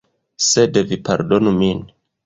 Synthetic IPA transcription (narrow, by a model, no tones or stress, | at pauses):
sedevipa̰ɾdo̞numin